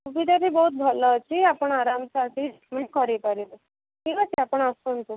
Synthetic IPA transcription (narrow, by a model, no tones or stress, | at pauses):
kubid̪aɾiːbɔɦut̪̚bʱɔlət͡ɕiapəɳaɾamsaʈʰiɖikmeɳʈ̚kɔɾepaɾilə | kĩʋat͡ɕiapəɳasunt̪u